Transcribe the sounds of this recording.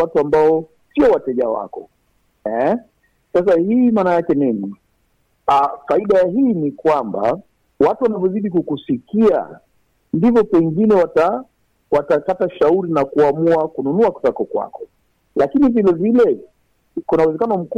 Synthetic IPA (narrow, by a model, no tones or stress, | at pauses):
atuambaɔ | siɔwatɛʄawa̰kɔ | ɛ | sas̬ahiːmaːnajakɛnini | afaiɗajaɦiːnikwamba̰ | watuwanavjɔziɗikukusikia̰ | ndivɔpɛŋɡinɛwata | watakataʃauɾinakuamuakununuaku̥takɔkwa̰kɔ̥ | lakinivilɛvilɛ | kunauwɛzɛkanɔm̩k